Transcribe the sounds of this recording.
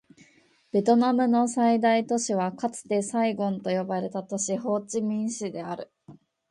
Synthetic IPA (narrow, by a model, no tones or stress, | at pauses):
b̥e̞t̪o̞namɯ̟no̞said̪ait̪o̞ɕiβ̞akat͡sɨ̥t̪e̞saiɡõ̞nt̪o̞jo̞baɾe̞t̪at̪o̞ɕiho̞ːt͡ɕimʲĩɰ̃ɕid̪e̞aɾɯ̟